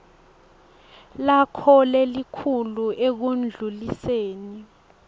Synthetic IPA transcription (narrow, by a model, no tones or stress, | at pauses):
lakʰɔlɛlikʰuluek̬und͡ɮʱuliseːni